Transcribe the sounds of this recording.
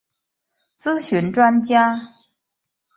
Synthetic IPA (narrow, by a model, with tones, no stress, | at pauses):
t͡sɹ̩˥ɕy˧˥nʈ͡ʂwa˥nt͡ɕja˥